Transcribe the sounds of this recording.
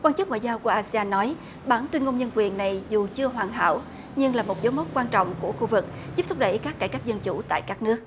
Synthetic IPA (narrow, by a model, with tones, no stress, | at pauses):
kwa˧nt͡ɕɨ˦˥k̚ŋw̰aː˧˨zaː˧wku˧˩əʔaː˧si˧aː˧nːɔ˨˦j | ɓaː˧˩ŋt̪wi˧nŋo˧ŋ͡mɲə˧nkwi˨˩ənːa˨˩jzu˨˩t͡ɕɨ˧əɦwaː˨˩ŋɦa̰ː˧˩˨w | ɲɨ˧ŋlaː˨˩mo˨˩t̚zo˨˦mɔ˦˥t̚kwaː˧nt͡ɕɔ̰˧˨wŋ͡mku˧˩əxu˧vɨ˨˩k̚ | zi˦˥p̚t̪̚ʰɗə˧˩jkaː˦˥kːaː˧˩jka˦˥jk̚zə˧nt͡ɕṵ˧˩t̪a̰ː˧˨jkaː˦˥k̚nɨ˦˥ək̚